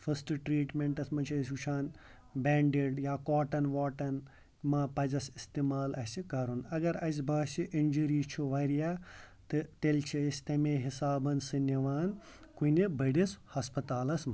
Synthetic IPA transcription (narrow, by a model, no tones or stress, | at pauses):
fʰɐsʈɨʈɾiːʈmeɳʈɐsmɐt͡ʃʰiɐsʲut͡ʃʰaːn | bʲaːɳɖeɖjaːkaːʈɐnʋaːʈɐn | mɐpɐzɐsist̪imaːlɐsikɐɾunɐɡɐɾɐs̬ʲbɐːsʲiʔind͡ʒɐɾiːt͡ʃʰuʋɐɾijaːt̪ɨt̪elʲt͡ʃʰiɐsʲt̪ɐmeːɦisaːbɐnsɨnɐʋaːn | kunibɐɽishɐspɐt̪aːlɐsmɐ